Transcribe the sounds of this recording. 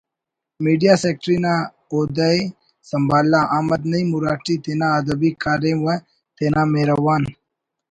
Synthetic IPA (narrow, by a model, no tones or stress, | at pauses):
miːɖijaːseːk̚ʈɾiːnãː | oːd̪əj | sɐmbʱaːlːaʔaːməd̪nɐĩmuɾaːʈiːt̪eːnãːɐd̪əbiːkaːɾẽːwə | t̪eːnaːmeːɾəʋaːn